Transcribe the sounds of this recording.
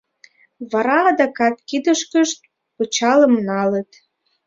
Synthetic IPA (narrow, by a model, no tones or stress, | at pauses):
βɑɾɑɑd̪ɑkɑt̪kid̪əʃkəʃt̪̚ | pɤt͡ɕɑlə̆mnɑlə̆t̪